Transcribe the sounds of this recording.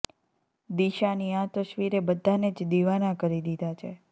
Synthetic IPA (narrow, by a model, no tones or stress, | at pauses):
d̪iʃaniat̪əʃʋiɾebəd̪ʱːaned͡ʒd̪iʋanakəɾid̪id̪ʱat͡ʃʰe